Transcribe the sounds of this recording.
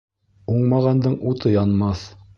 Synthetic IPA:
uɴmɑʁɑnd̪ɤɴut̪ʰɤjɑnmɑθ

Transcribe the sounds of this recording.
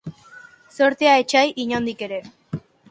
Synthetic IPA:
so̞ɾt̪eaet͡ʃajʔiɲond̪ike̞ɾe̞

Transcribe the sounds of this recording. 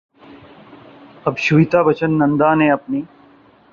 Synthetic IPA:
ɐbɕuit̪aːbət͡ɕənːɐnd̪aːneɐpniː

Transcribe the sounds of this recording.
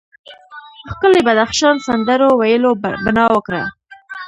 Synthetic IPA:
xkəlebad̪axʃɑnsand̪əɾowajəlobɪnɑwəkɾə̰

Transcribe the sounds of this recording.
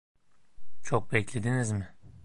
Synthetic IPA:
t͡ʃʰok̚bɛclʲe̞d̪inizmɪ

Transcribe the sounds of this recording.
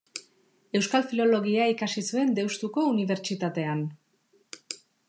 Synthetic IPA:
e̞wskalfilo̞lo̞ɣ̞iaikasisue̞nd̪e̞wst̪uko̞uniβ̞e̞ɾt͡ʃit̪at̪e̞an

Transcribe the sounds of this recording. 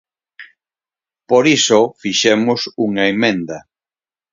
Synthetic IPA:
poɾisofiʃemʊsuŋaemẽnd̪ɐ

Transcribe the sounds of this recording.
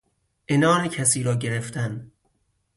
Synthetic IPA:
ʔenɒːɾecʰæsiːɾɒːɟeɾeft̪æn

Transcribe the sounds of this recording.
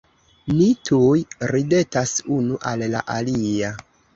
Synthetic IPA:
nitʰujɾide̞tasunuʔalla̰ʔalia

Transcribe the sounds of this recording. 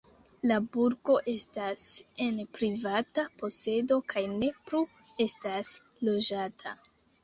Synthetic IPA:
labuɾko̞ʔe̞stase̞npɾivatapo̞se̞do̞kʰajne̞plu | e̞stas | lo̞d͡ʒatʰa̰

